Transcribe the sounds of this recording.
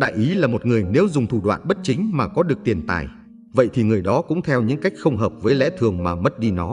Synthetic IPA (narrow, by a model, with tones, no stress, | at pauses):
ɗa̰ː˧˨jʔi˨˦laː˨˩mo˨˩t̚ŋɨ˨˩əjne˨˦wzʊ˨˩ŋ͡mt̪ʰu˧˩ɗwa̰ː˧˨nɓə˦˥t̚t͡ɕï˨˦ŋ̟maː˨˩kɔ˨˦ɗɨ˨˩ək̚t̪i˨˩ənt̪a̰ː˨˩j | və̰˧˨jt̪ʰi˨˩ŋɨ˨˩əjɗɔ˨˦kʊ̰˧˥ŋ͡mt̪ʰɛ˧wɲɨ̰˧˥ŋka˦˥jk̟̚xə˧wŋ͡mɦəː˨˩p̚vəː˨˦jlɛ̰˧˥t̪ʰɨ˨˩əŋmaː˨˩mə˦˥t̚ɗi˧nɔ˨˦